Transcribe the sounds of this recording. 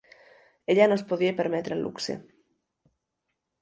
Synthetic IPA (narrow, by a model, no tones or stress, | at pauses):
eʎanospoðiepeɾmet̪ɾelʔṵksḛ